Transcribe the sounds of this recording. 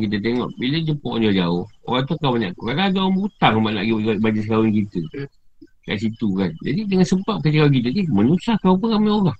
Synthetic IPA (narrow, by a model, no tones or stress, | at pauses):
kit̪̬ət̪̬eŋɔ̰ʔbiləd͡ʒəpɔʔɲd͡ʒaud͡ʒaʊho̰ɣaŋt̪̬uakabaɲa̰ʔkukadad͡ʒaʊhbut̪aŋbaʔna̰ʔɡibad͡ʒəs̬kawɪŋkit̪ə | ka̰ʔsit̪ukand͡ʒadidəŋansəbap̚kət͡ʃikak̬it̪̬ət̪umənusahkaupəkamaoɾah